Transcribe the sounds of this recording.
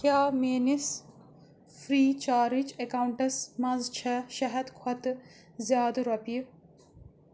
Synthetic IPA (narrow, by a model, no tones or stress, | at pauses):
kjaːmeːnis | fɾiːt͡ʃaːɾit͡ʃekaːwuɳʈɐsmɐzt͡ʃʰɛʃɐɦɐd̪kʰwɐt̪ɨ | zjaːd̪ɨɾɐpi